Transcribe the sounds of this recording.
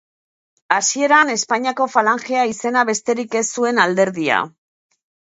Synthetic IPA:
asie̞ɾane̞spaɲiako̞falaŋxeaise̞naβe̞st̪e̞ɾike̞sue̞nald̪e̞ɾðia̰

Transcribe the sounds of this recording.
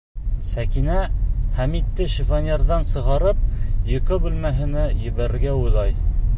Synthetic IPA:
sækinæχæmit̪ːɘʃifɑnʲeɾðɑnsɤ̆ʁɑɾɤp̚jɤ̆qɤbʉlmæɦɘ̆nɘjɘ̆βæɾɘ̆ɾɡæujlˠɑj

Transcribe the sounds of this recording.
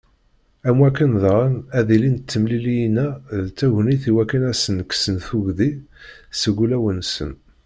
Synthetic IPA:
æmwækːənðʁənæðilint͡s̪ːəmlilijnæðt͡sːæʝniθiwækːænæsənksənθuʝðisəɡulæwənsə̰n

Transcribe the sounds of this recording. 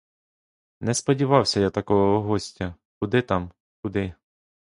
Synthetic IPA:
nɛspɔdʲiʋɑwsʲɐjat̪ɐkɔɦɔɦɔsʲtʲɐ | kʊd̪ɪt̪ɑm | kʊd̪ɪ

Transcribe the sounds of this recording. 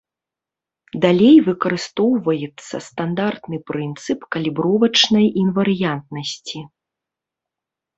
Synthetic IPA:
d̪alʲejvɨkɐɾɨst̪ɔwvɐjɛt̪sːɐ̰st̪and̪art̪nɨpɾɨnt̪sɨpkɐlʲibɾɔvɐt͡ʂnɐjinvɐɾɨjant̪̚nɐsʲt͡sʲi

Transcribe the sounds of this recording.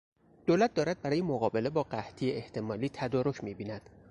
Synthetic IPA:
d̪̥oːlæt̪̚d̪ɒːɾæd̪̚bæɾɒːjemoɣɒːbe̞le̞bɒːɢæht̪ʰijeeht̪ʰe̞mɒːliːt̪ʰæd̪ɒːɾocʰmiːbiːnæd̪̥

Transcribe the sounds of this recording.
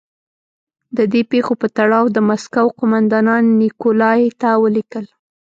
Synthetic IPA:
d̪əd̪epexopət̪aɽɑwd̪əmaskawqʊmand̪ɑnɑnːikolɑjt̪awəlikəl

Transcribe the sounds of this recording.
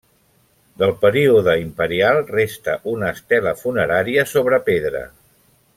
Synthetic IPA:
d̪əlˠpəɾiuðəimpəɾialˠrest̪əʔunəːst̪ɛləfunəɾaɾiəsoβ̞ɾəpeðɾə̰

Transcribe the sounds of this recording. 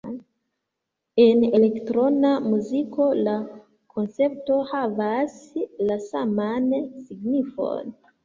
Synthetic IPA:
e̞ne̞le̞ktɾo̞namuziko̞la | kʰo̞nt͡se̞p̚to̞havaslasamansiɡnifo̞̰n

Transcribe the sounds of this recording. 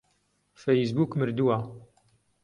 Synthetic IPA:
fejisbuːkmɨɾd̪uwa

